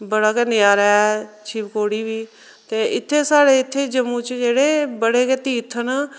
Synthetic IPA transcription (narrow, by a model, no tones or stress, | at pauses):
bəɽakɛnɪjaːɾɛt͡ʃʰiːʋkoːɽiːbiː | t̪eɪt̪ʰːesaːɽeɪt̪ʰːed͡ʒəmut͡ʃd͡ʒeːɽebəɽeket̪iːt̪ʰən